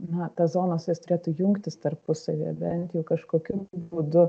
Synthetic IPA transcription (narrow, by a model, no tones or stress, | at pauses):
nɐt̪ɐszoːnɐsjɛst̪ʊɾʲeːt̪uːjʊŋkt̪ʲɪst̪ɐrpʊsɐʋʲḭːbʲɛnt̪ʲjɛːkɐʃkoːkʲubuːd̪ʊ